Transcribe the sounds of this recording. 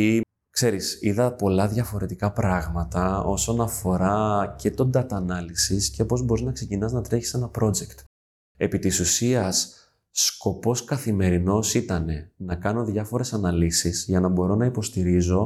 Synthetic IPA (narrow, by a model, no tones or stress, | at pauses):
i | kse̞ɾisiðɐpo̞lɐðʝɐfo̞ɾe̞t̪ikɐpɾɐɣmɐt̪ɐo̞so̞nɐfo̞ɾɐce̞t̪o̞nd̪ɐt̪ɐnɐlisisce̞po̞zbo̞ɾiznɐkse̞cinɐznɐt̪ɾeçi̥se̞nɐpɾo̞d͡ʒe̞kt̪ | e̞pit̪isusiɐsː | ko̞po̞skɐθime̞ɾino̞sit̪ɐne̞nɐkɐno̞ðʝɐfo̞ɾe̞sɐnɐlisizʝɐnɐbo̞ɾo̞nɐipo̞st̪iɾizo̞